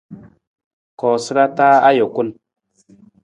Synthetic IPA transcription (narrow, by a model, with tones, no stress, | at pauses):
kɔː˨sɨ˦ɾa˦taː˦a˦jo˨ku˦n